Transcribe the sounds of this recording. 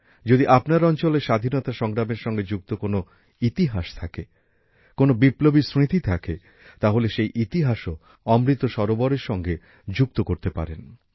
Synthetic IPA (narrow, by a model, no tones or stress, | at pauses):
d͡ʑod̪iʔapnaɾɔnt͡ɕoleɾʃad̪ʱinɔt̪aʃɔŋɡɾameɾʃɔŋɡed͡ʑuk̚t̪okono | it̪iɦaʃt̪ʰake | konobiplobiɾsɾit̪it̪ʰakḛ | t̪aɦoleʃejʔit̪iɦaʃo | ɔmɾit̪ːoʃɔɾobɔɾeɾʃɔŋɡe | d͡ʑuk̚t̪okoɾt̪epa̰ɾḛn